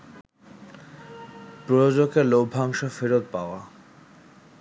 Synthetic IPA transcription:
pɾojod͡ʑokelob̚ʱaŋʃofeɾot̪̚paoa

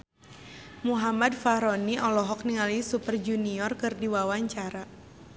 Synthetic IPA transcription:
muɦamadfaɾɔniʔɔlɔɦɔk̚niŋalisupərd͡ʒuniɔrkɨrdiwawaɲt͡ʃaɾa

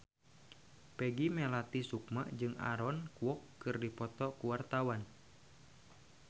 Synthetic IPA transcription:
pɛɡimɛlat̪isuk̚ma̰ʔd͡ʒɨŋa̰ɾɔnkuwɔkːɨrdipɔt̪ɔkuwart̪awan

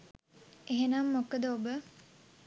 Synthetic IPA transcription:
eɦenamːokəd̪əobə

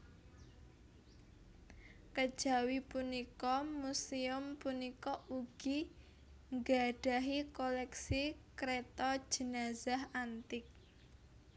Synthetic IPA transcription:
kəd̥ʒ̥a̤wipunikɔmusiʊmpunikɔʔuɡ̥i | ŋɡaɖ̥a̤ɦikolɛksikɾet̪ɔ̥ʒ̥ə̤nazahant̪ɪk̚

